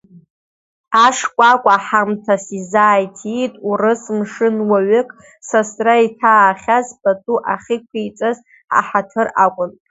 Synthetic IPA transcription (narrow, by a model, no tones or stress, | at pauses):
aʂkʷʼakʷʼaħamtʰasizaːjtʰitʼurɨsmʂɨnwaɥɪkʼ | sasraitʰaːχʲazpʼatʼuʔaχʲikʷʰijt͡sʼaz | ħa̰ħatʰɨrakʷʼʊn